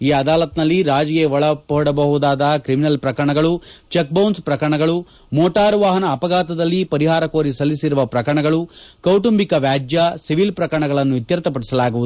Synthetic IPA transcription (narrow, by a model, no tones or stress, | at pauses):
iːɐd̪aːlɐt̪nɐlːiɾaːd͡ʒjeːʋɐɭɐpɔɔɽɐbɐɦud̪aːd̪ɐkɾiminɐlpɾɐkɐɾɐɳɐɡɐɭut͡ʃek̚bɐwnspɾɐkɾɐɳɐɡɐɭu | mɔːʈaːɾʋaːɦɐnɐːpɐɡaːt̪ɐd̪ɐlːipɐɾiɦaːɾɐkoːɾisɐlːisiɾuʋɐpɾɐkɐɾɐɳɐɡɐɭukɐwʈumbikɐʋjaːd͡ʒjɐsiʋilpɾɐkɐɾɐɳɐɡɐɭɐnːuʋit̪jɐɾt̪ɐp̬ɐɽisɐlaːɡuʋud̪u